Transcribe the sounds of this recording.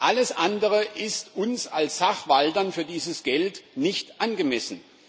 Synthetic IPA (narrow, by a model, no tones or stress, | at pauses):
ʔaləsʔandəʁəʔɪstʔʊnsalsz̥aχv̥aldɐnfyːɐdiːzəsɡ̥ɛltnɪçtʔanɡəmɛsn̩